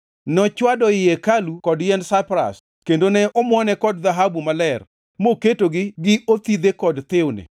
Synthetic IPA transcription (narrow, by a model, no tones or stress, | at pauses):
nɔt͡ʃwadɔɪjɛkalukɔdjɛnsapɾa̰s | kendonɛʔɔmwɔnɛkɔdðaɦabumalɛr | moketoɡɪɡɪot̪id̪ekɔdt̪ɪwnḛ